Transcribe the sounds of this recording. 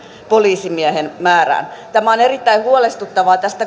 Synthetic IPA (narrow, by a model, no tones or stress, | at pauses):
poliːsimiæhenmæːræ̰ːnt̪æmæonerit̪ːæihuolest̪ut̪ːɑʋɑːt̪æst̪æ